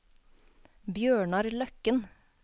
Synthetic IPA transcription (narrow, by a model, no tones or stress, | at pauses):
bjøːɳɑɾlœkən